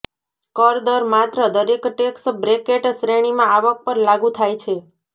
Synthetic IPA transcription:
kɔɾd̪əɾmat̪ɾəd̪əɾekʈeksbɾekeʈsɾeɽ̃imãaʋək̚pəɾlaɡũt̪ʰajt͡ʃʰe

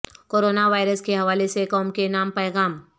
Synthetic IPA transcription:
koːɾoːnaʋaːɪɾəskeɦɐʋaːlesekɔːmkenaːmpɛːɣaːm

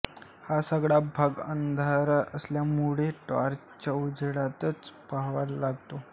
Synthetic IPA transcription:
hasəɡɽabʱaɡə̰nd̪ʱaɾəsljamuɭeʈa̰ɾ | t͡ɕəwd͡ʑeɽat̪ət͡spaɦʋallaɡt̪o

